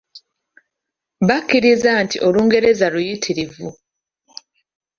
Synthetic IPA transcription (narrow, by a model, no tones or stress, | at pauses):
βakːiɾizantḭʔo̞luːŋɡe̞ɾe̞zalujitʰiɾivu